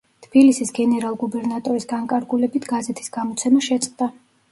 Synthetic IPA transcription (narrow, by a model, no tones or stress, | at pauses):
t̪ʰb̥ilisisɡɛnɛɾalˠɡubɛɾnat̪ʼɔɾisɡaŋkʼaɾɡulɛbit̪ʰɡ̥azɛt̪ʰi̥sɡ̥amɔt̪sʰɛmaʃɛt̪sʼqʼd̪a